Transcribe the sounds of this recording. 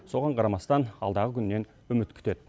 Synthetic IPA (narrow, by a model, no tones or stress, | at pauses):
so̞ʁɑɴqʰɑɾɑmɑst̪ɑnɑ̰lˠd̪ɑʁəkʰʲʏnːe̞n | ɵmɪt̪kʲʰʏ̥t̪e̞d̪ɪ